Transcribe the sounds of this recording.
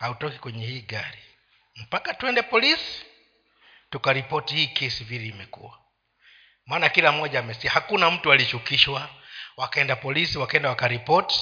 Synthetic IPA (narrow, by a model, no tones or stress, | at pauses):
hautɔki̥kwɛɲɛhiːɡaɾi | m̩pakatuɛndɛpɔlisi̥ | tukaɾipɔtihiːkʰɛsiviɾiːmɛkṵa | maːnakilam̩ɔʄaːmɛsiahakunam̩tualit͡ʃukiʃwawakaɛndapɔlisiwakaɛndawakaɾipɔti̥